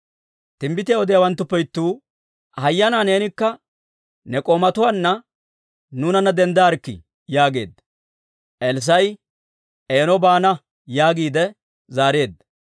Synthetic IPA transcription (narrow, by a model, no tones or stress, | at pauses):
t̪ɪmbɪt̪ɪjɐwɔd̪ɪjɐwɐnt̪ːʊpːɛjt̪ːuː | hɐjːɐnaːne̞ːnɪkːɐ | nɛkʼoːmɐt̪ʊwaːnːɐ | nuːnɐnːɐd̪ɛnd̪aːɾkːɪ̰ | jaːɡe̞̰ːd̪ːɐ | ʔɛls̬ɐj | ʔeːnɔbaːnɐ | jaːɡiːd̪ɛ | zaːɾe̞ːd̪ːɐ